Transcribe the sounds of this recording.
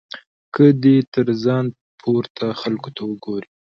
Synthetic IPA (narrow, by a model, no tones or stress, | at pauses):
kəd̪et̪əɾzɑn | pʰoɾt̪ʰaxalkot̪awəɡoɾi